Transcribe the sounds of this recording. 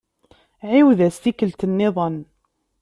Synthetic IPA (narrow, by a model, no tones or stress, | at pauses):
ʕiwðæst̪ikəlt̪ənːɪðˤən